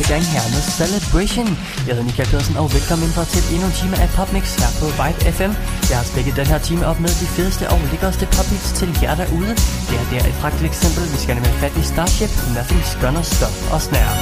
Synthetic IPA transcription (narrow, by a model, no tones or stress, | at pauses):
pʰeɡ̥ɑŋ̰ɦæɐ̰meðˠsæled̥eʃon | jɑheðˠnikʰælpʰe̝ð̰ˠsən̩ɒʊʋelkʰɒ̽mend̥ʁɐt͡sʰe̝lenut͡sʰiːmɐʔæpʰɒ̽b̥neɡ̥shæɐpʰɒ̽ʋɑ̈ɪb̥efem̰jɑhɑ̈sb̥eɡ̥əð̩ˠd̥enɦeɐ̰t͡sʰiːməɒ̽b̥meðˠd̥ifiðˠəsd̥əʔɒʊleɡ̥ɐsd̥əpʰɒ̽b̥neɡ̥st͡sʰe̝ljæɐɾ̥æɐʔuːð̞ˠəd̥e̝æɐd̥æɐʔed̥pʰʁɑ̈ɡ̥̚d̥i̥eɡ̥sem̰b̥l̩ʋisɡ̥æneməhæfæd̥isd̥ɑ̥̈ːɕeb̥enʋæɐfesɡ̥ɶnɐsd̥ɒ̽fɒ̽snæɐ